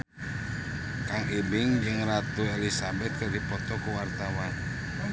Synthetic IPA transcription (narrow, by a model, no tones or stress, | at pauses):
kaŋʔibɪŋd͡ʒɨŋrat̪uelisabɛt̪̚kərdipɔt̪ɔkuwart̪awan